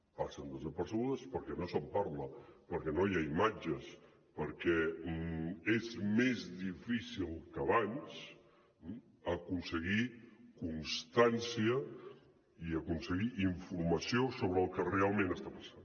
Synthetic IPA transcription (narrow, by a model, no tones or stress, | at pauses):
pasənd̪əzəpəɾsəɣuðəspəɾkɛnosəmpaɾləpəɾkɛnojaimad͡ʒəs | pəɾkɛ | ezmezðifisilˠkəβanz̥ | əkunsəɣikunst̪ansiə | iəkunsəɣiʔiɱfuɾməsiosoβɾəːlˠkərealˠmẽnəst̪apə̥san